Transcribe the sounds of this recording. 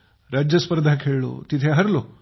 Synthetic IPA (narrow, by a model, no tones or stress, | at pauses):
ɾad͡ʒɐspəɾd̪ʱakʰeːɭɭo̰ːt̪it̪ʰeɦɐɾlo